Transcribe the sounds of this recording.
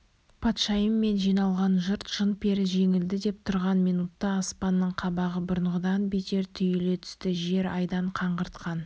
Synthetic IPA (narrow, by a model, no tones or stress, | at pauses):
pʰɑt̪ʃɑjəmːe̞nʒijnɑlˠʁɑnʒəɾt̪ʒ̥ənpʰe̞ɾɪʒe̞ŋɪld̪ɪd̪e̞p̚t̪ʰʊɾʁɑnmijnut̪ːɑːspɑnːəɴqʰɑbɑʁəbʊɾəɴʁəd̪ɑnbet̪e̞ɾt̪ʰʏjele̞t̪ʰʏ̥st̪ɪʒe̞ɾɑjd̪ɑɴqʰɑɴʁəɾt̪qɑn